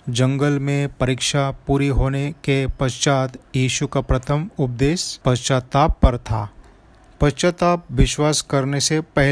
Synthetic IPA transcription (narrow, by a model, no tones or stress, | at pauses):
d͡ʒɐ̃ŋɡəlmẽpɐɾikʃapuːɾiɦoːnekepɐst͡ʃaːt̪jiːʃukapɾɐt̪ʰəmʊp̚d̪eːspɐt͡ʃat̪aːpːɐɾt̪ʰa̰ː | pɐst͡ʃat̪aːp̚ʋɪʃwaːskɐɾnesepɛɦ